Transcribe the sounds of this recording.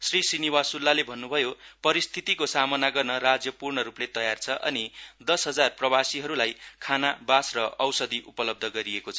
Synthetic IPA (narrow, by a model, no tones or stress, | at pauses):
srisiniwasulːalebʱʌnːubʱʌjopʌɾist̪ʰit̪ikosamʌnaɡʌrnʌrad͡zjʌpurnʌɾuplet̪ʌjart͡sʰʌʔʌ̰nid̪ʌsɦʌd͡zarprʌbasiɦʌɾulajkʰanabasrʌʔʌwsʌd̪iʔupʌlʌb̚d̪ʱʌɡʌɾiekot͡sʰʌ